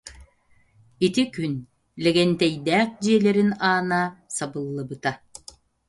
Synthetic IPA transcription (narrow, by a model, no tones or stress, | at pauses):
it̪ikyn | lɛɡɛnt̪ɛjd̪ɛːq̚d͡ʑiɛlɛɾinaːnasabɯlˠːɯbɯt̪a